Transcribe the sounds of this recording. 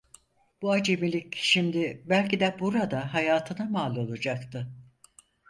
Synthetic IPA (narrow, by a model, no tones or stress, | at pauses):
b̥uad͡ʒemilʲicʃimd̪ɪbælʲcid̪ɛbuɾad̪aɦajaːt̪ʰɯnamaːlˠo̞lˠad͡ʒakt̪ʰɯ